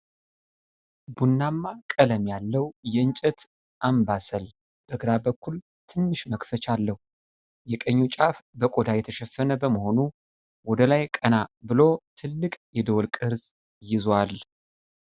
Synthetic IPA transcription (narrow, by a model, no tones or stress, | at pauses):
bunːamːakʼələmjalːəwjɛɨɲt͡ʃʼɛt̪ | ʔambasəl | b̥əɡɾabəkːul | t̪ʰɨnːɨʃməkfət͡ʃalːəhu | jɛkʼəɲːut͡ʃʼafbəkʼod̪ajɛt̪ʰəʃɛfːənəbəməho̞nu | wɔd̪əlajkʼənabɨlo̞t̪ʰɨlːɨkʼjɛd̪əwlkʼɨɾz | jɪzwal